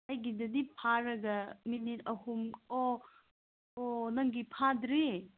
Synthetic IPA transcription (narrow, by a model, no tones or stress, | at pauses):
ajɡidɐdipʰaɾɐɡɐminitɐhumo | onɐŋɡipʰadɾi